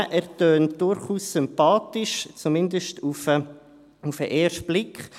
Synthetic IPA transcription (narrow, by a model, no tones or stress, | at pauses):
ʔæɾtøːntd̥ʊɾχuːssʏmpɑːtɪʃt͡sumɪndəʃtufə | ufəʔeːɾʃtb̥lɪkχ